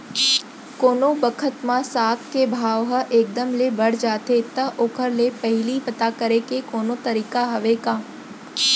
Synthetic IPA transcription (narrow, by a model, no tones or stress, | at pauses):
koːnobəkʰət̪mãsaːt̪ʰkebʱaːʋɦəʔeːk̚d̪əmlebəɽ̤d͡ʒaːt̪et̪əʔoːkʰəɾlepəɦɪlipət̪akəɾekekoːnot̪əɾiːkaɦəʋekaː